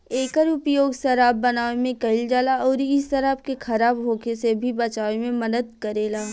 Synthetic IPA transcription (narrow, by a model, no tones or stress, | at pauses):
eːkəɾʊpjoːɡsɐɾaːbːɐnaːʋemẽkɐɪld͡ʒaːlaɔːɾɪsːɐɾaːb̚kexʰɐɾaːbɦoːkesebʱibɐt͡ʃaːʋemẽmɐd̪əd̪̚kɐɾeːlaː